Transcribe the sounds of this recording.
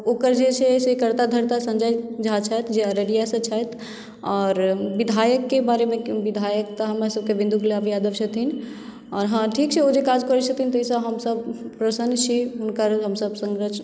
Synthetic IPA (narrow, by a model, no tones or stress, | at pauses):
oːkəɾd͡ʒesesekəɾt̪ad̪ʱəɾt̪asə̃nd͡ʒajd͡ʒʱat͡ʃʰɛt̪ʰd͡ʒeəɾəɾijasə̃t͡ʃʰɛt̪ʰ | ɔːɾʋid̪ʱajəkːebaɾemẽʋid̪ʱajək̚t̪əɦəmasəb̚keʋĩnd̪ʱuɡleabjad̪əʋt͡ʃʰət̪ʰin | ɔːɾɦãʈʰikt͡ʃʰɛod͡ʒekad͡ʒkəɾət͡ʃʰət̪ʰint̪əsəɦəmsəb̚pɾəsənt͡ʃʰiɦʊnkəɾɦəmsəbsə̃ŋɡɾət͡ʃʰ